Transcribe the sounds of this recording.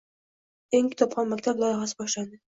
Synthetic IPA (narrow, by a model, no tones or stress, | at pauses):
eŋkʰʲɪ̥t̪ʰɒpχʰɒnmakʲt̪ʰaɾlˠɒjɑʁɑsɪbɒʃlad̪ɪ